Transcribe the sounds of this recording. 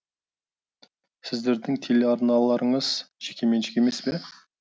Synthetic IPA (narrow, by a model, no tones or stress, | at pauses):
sɪzd̪e̞ɾd̪ɪŋt̪ʰelʲeɑɾnɑlˠɑɾəɴəz̥ʒ̥ekʲe̞me̞nʒʃɪkʲe̞me̞spe